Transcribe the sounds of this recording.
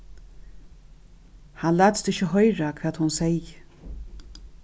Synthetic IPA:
hanlæːt̪d̪ɪʃəɦœjɾakʰɾat̪hʊnsɛj

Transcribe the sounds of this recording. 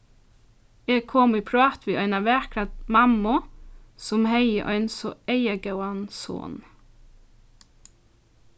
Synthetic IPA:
eːɡ̚kʰɔmiːpʰɹɑːt̪ʋiːʔœʏnɑʋæɹkʰɾɑt̪mɑmʊsɔmheɪə̰ʔœ̰ʏnsɔeɪəɡœʊɑnso̰ːn

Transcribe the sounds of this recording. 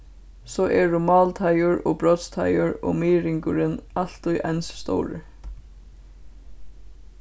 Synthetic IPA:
sɔːʔɛɹʊmɑːlt̪ʰajʊɹɔɣbɹɔt̪st̪ʰajʊɹɔ̰ɣmiːɾɪŋkʊɾɪnal̥t̪ʊjʔansst̪ɔ̰wɾɪ̰

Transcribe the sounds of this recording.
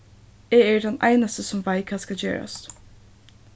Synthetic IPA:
ɛːæɖɛnæ̰ɪnast̪əsɔmʋæɪkʰɑːskɑljø̰ːɹa̰s

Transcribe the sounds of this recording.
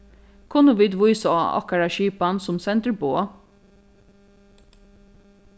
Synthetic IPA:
kʰʊnːəʋiːd̪ʋʊjsaa̰ɔ̰hkaɹaʃiːpansʊmsɛnt̪əɹboː

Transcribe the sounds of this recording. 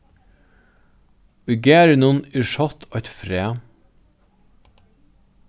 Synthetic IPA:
ʉɡeːɾənʊnɪʃɔt̪ʰɑt̪fɾeː

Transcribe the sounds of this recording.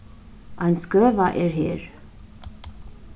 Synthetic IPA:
ɑjnskœvaʔɛɾɦɛɾ

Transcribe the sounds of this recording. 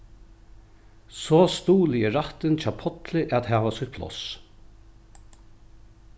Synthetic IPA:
sɔːst̪uːlɪɛɾaht̪ɪnt͡ʃʰapʰɔt̪lɪʔat̪ɦæːʋasɔt̪̚pʰlɔ̰s

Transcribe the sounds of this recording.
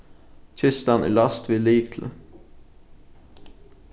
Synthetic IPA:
t̪ʰʏst̪ɑnʔḭlɑst̪ʰʋɪliːkt̪ʰl̩

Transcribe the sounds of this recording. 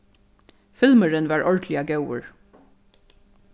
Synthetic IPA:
fɪlməɹənʋɑːɹʔɔɹdlɪɑɡɑʊə̰ɹ

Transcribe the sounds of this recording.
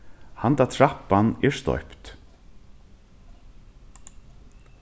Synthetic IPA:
hant̪at̪ʰɹapːanɛɹst̪ɔ̰pt̪

